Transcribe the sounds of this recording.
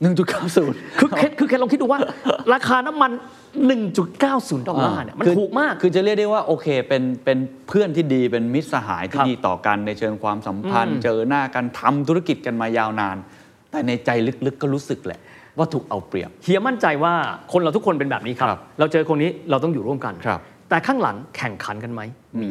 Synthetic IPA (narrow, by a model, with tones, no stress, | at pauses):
nɯ˨˩ŋt͡ɕu˨˩t̪̚kaː˥˩wsuː˩˦nkʰɯː˧kʰe˦˥t̪̚kʰɯː˧kʰe˦˥lŋki˦˥t̚duː˧waː˥˩ɾaː˧kʰaː˧na˦˥mːa˧nː | ɯ˨˩ŋt͡ɕu˨˩t̪̚kaː˥˩wsuː˩˦nt̪ɔː˨˧˩a˧˥˩ni˧˥˩ma˧nɯtʰuː˨˩k̚maː˥˩k̚ʰːɯː˧t͡ɕa˨˩ɾli˥˩ək̚dwwaː˥˩ʔoː˧kʰeː˧pe˧npe˧n | pʰɯ˥˩ənt̪ʰiː˥˩diː˧pe˧nmi˦˥t̪̚sa˧ɦa̰ː˩˦jt̪ʰiː˦˧˩diː˧t̪ɔ̰ː˨˩ka˧nːa˧jt͡ɕʰɤː˧ŋkʰwaː˧msa˩˦mpʰa˧nt͡ɕɤː˧naː˥˩ka˧nt̪ʰa˧mt̪ʰu˦˥ɾa˥ki˨˩t̪̚ka˧nmaː˧jaː˧wnaː˧n | t̪ɛː˨˩na˧jt͡ɕa˧jlɯ˦˥k̚lɯ˦˥kːɔː˥˩ɾuː˦˥sɯ˨˩k̚lɛ̰˨˩ʔ | waː˥˩t̪ʰuː˨˩k̚ʔa˧wpɾi˨˩əp̚hʰi˨˩˦ma˥˩nt͡ɕa˧jwaː˥˩kʰo˧nɾa˧wt̪ʰu˦˥kʰo˧np̬e˧nbɛː˨˩p̚niː˦˥kʰa˦˥˦pɾa˧wt͡ɕɤː˧kʰo˧nːiː˦˥ɾa˧wt̪̬ɔ˥˩ŋjuː˨˩ɾu˥˩əmka˧nʰa˦˥p̚ | t̪ɛː˨˩kʰaː˥˩ŋla̰˩˦ŋkʰɛ˨˩ŋkʰa˩˦nka˧nma˦˥j